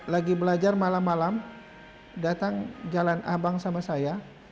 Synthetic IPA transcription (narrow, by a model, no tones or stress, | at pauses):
laɡibəlad͡ʒarmalamːalam | dat̪aŋd͡ʒalana̰baŋsamasaja